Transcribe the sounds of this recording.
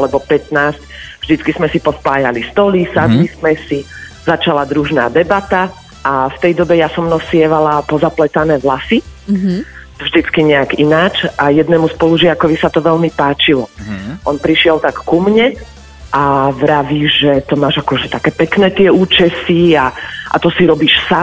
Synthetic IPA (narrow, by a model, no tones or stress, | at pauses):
alɛbɔpɛt̪naːscvʒd̪it͡skizmɛsipɔspaːjalist̪ɔlisad̪lismɛsi | zat͡ʃalad̪ɾuʒna̰ːd̪ɛbat̪a | ʔaft̪ɛjd̪ɔbɛjasɔmnɔsɪɛʋalapɔzaplɛt̪anɛːɦlasi | vʒd̪it͡skiɲɛaɡinaːt͡ʃajɛd̪nɛːmuspɔluʒɪakɔʋisat̪ɔʋɛlmipaːt͡ʃilɔʔɔnpɾiʃɪɛlt̪akkumɲɛ | ʔaʋɾaʋiːʒɛt̪ɔmaːʒakɔʒɛt̪akɛːpɛknɛːt̪ɪɛuːt͡ʃɛsiaʔa̰t̪ɔsiɾɔbiːʃsa